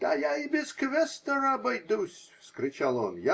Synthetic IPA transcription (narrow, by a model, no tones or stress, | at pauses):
d̪̥ajaɪbʲɪzkvʲɛst̪əɾɐbɐjd̪usʲfskɾʲɪt͡ʃalˠo̰nja